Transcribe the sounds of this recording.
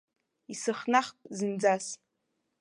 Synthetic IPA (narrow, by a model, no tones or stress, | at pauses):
isɨχnaχpʼzɨnd͡zas